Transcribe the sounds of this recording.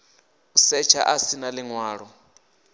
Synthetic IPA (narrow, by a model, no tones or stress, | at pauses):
usɛt͡ʃʰa̰ʔasinalɪŋwaːɺɔ